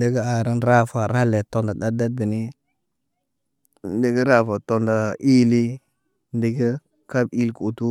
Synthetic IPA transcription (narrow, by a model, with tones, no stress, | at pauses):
de˦ɡə˦a˨ɾi˦nɾa˦fa˨ɾa˦le˨to˦nda˨da˦da˦d̚bi˨ni˦ | n˦de˦ɡə˦ɾa˦fa˨to˨nda˨i˦li˦ | n˦di˨ɡə˦ | ka˦bi˦lku˨tu˦